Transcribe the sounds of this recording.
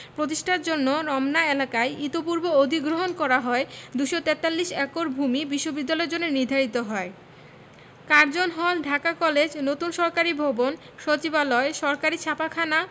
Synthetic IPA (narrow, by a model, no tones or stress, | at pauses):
pɾot̪̬iʃʈʰaɾd͡ʑonːoɾɔmnaelakaeit̪op̬uɾbood̪ʱiɡɾoɦonkɔɾaɦɔed̪uʃot̪ɛt̪alːiʃɛkoɾbʱumibiʃːobid̪ːalɔeɾd͡ʑonːeɾniɾd̪ʱaɾit̪oɦɔe | kaɾd͡ʑonɦɔlɖʱakakɔled͡ʑnot̪unʃɔɾkaɾibʱobon | ʃot͡ɕibalɔeʃɔɾkaɾit͡ɕʰapakʰana